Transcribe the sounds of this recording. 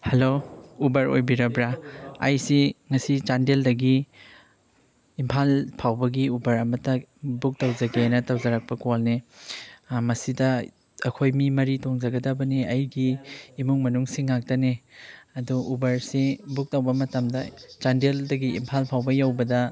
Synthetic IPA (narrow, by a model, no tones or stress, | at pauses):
hɐloubɐɾo̰jbiɾɐbɾaa̰jsiŋɐsit͡ʃandeldɐɡi | mpʰalpʰawbɐɡiubɐɾɐmɐtːɐbuk̚tɐwzɐɡenɐtɐwzɐɾak̚pɐkolne | mɐsidɐ | ɐkʰojmimɐɾitoŋzɐɡɐdɐbɐneɐjɡiːmuŋmɐnuŋsiŋːak̚tɐneɐduubɐɾsebuk̚tɐwbɐmɐtɐmdɐt͡ʃandeldɐɡiḭmpʰalpʰawbɐjawbɐdɐ